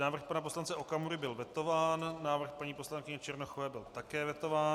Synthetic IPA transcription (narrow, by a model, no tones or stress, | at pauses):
naːvr̩xpanapo̞slant͡sɛʔo̞kamuɾɪbɪlvjɛt̪o̞vaːnːaːvr̩xpaɲiːpo̞slaŋkɪɲɛt͡ʃɛɾnoxovɛːbɪlt̪akɛːvjɛt̪o̞vaːn